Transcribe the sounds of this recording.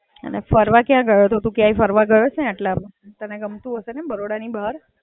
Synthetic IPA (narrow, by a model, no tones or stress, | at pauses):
ə̰nefəɾʋakjãɡəjot̪ot̪ũkjãifəɾʋaɡəjot͡ʃʰneaʈla | t̪əneɡəmt̪ũɦəsenebəɾoɽanibʱaaɾ